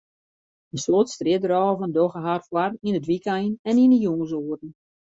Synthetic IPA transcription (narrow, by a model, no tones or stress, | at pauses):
ənslotstrɪədrɔːəvəndoɣəɦarfwarinətʋikɛjənɛninəjuŋəs̬oərn̩